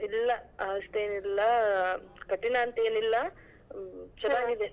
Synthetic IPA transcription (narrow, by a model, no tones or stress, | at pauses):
ilːɐɐst̪eːnilːɐ | kɐʈːinaːnt̪eːnilːɐ | t͡ʃɐnaːɡid̪e